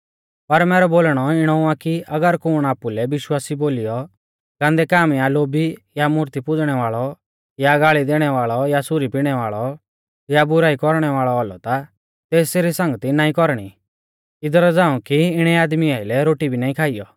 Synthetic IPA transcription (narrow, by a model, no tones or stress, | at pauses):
pɐɾmɛːɾɔboːlɽ̃ɔɪɽ̃ɔ̃ãkiʔɐɡəɾkʊːɽ̃aːpulɛʋɪʃwaːsiboːlɪjɔ | ɡ̥ãːnd̪ɛkaːmjaloːbijamʊɾt̪ipʊd͡zɽ̃ɛʋaːɭɔ | jaɡaːɭid̪eːɽ̃ɛʋaːɭɔjasʊɾipiɽ̃ɛʋaːɭɔ | jabʊɾaːikɔɾɽ̃ɛʋaːɭɔalɔ̰t̪a | t̪eːsseːɾisɐ̃ŋɡt̪inaːĩkɔɾɽ̃ḭ | ɪd̪ɔɾɔd͡zãːũkiɪɽ̃ɛaːd̪miaːɪlɛɾoːʈibʱinaːĩkʰaːijɔ